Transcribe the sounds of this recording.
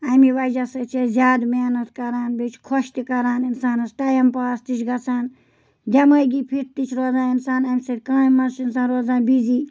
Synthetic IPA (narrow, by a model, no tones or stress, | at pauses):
ɐmiʋɐd͡ʒɐsɐt͡ʃʰezʲjaːd̪meːnɐt̪kɐɾaːnbet͡ʃʰkʰɔʃt̪ikɐɾaːninsaːnɐsʈɐjɐmpaːst̪it͡ʃʰɡɐt͡saːn | d̪ʲɐməjɡipʰiʈ̚t̪it͡ʃʰɾoːzaːinsaːnɐmʲsɐɾʲkãːimɐnsinsãːnɾoːzaːnbiziː